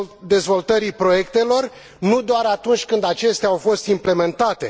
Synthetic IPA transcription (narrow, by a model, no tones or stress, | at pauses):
d̪e̞zvo̞lt̪əɾipɾo̞je̞kt̪e̞lo̞r | nud̪oaɾat̪unt͡ʃʲkɨnd̪at͡ʃe̞st̪eaawfo̞st̪imple̞me̞nt̪at̪e̞̰